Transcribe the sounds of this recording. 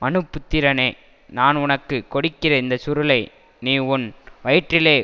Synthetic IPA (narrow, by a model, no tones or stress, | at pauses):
mɐnɯpːɯt̪ːɪɾɐneː | naːnʊnɐkːɯkːɔɽɪkːɪrɐɪnd̪ɐsʊɾɯlɐɪ | niːʊnʋɐjɪʈrɪleː